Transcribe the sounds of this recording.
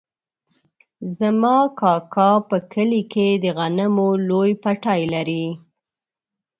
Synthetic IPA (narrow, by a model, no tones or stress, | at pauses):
zamɑkɑkɑpəkʰəliked̪əɣanəmolojpaʈɑjlaɾi